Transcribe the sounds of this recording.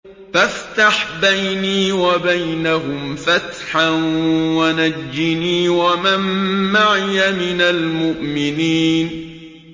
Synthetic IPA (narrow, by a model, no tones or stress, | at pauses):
faft̪aħbajniːwabajnaɦʊmfat̪ħanwanad͡ʒːɪniːwamamːaʕɪjamɪnalmʊʔmɪniːn